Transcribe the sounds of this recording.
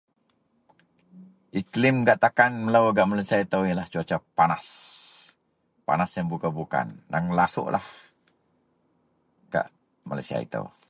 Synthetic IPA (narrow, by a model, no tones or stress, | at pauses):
ʔiklɪmɡaʔt̪akanmələwaɡaʔmalasiait̪əwjəlaht͡ʃuat͡ʃapanas | pa̰nasjaŋbukabuka̰ndaŋlasʊ̰ʔlʔah | ɡ̥a̰ʔ | malajsia̰ḭt̪ə̰w